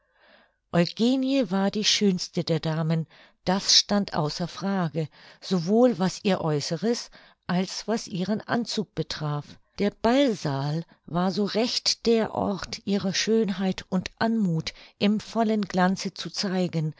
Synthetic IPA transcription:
ʔɔʏɡ̥eːnjəvaːɐdiːʃøːnstədeːɐdaːmən | d̥asʃtantʔa̰ʊsɐfʁ̥aːɡəz̥ovoːlvasʔiːɐʔɔʏsəʁəs | ʔalsv̥asʔiːʁənʔa̰nt͡suːk̚b̥ətʁ̥aːf | d̥eːɐb̥alzaːl | vaːɐzoːʁɛçtd̥eːɐʔɔ̰ɐtʰʔiːʁəʃøːnɦaɪtʊntʔanmuːtʔɪmfɔlənɡlant͡sət͡sut͡saɪɡən

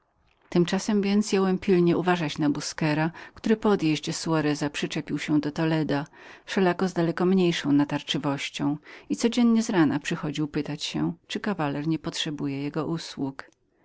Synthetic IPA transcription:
t̪ɘmt͡ʂasɛmvʲjɛnt̪sjawɛmpʲilɲɛʔuvaʐat͡ɕnabuskɛɾakt̪uɾɘpɔd̪jeʑd͡ʑɛsuaɾɛzapʂɘt͡ʂɛpʲiwɕɛd̪ɔt̪ɔlɛd̪afʂɛlakɔzd̪alɛkɔmɲejʂɔ̃w̃nat̪aɾt͡ʂɘvɔɕt͡ɕɔ̃w̃it̪sɔd͡ʑɛnɲɛzɾanapʂɘxɔd͡ʑiwpɘt̪at͡ɕɕɛt͡ʂɘkavalɛɾɲɛpɔtʂɛbujɛjɛɡɔʔuswuk

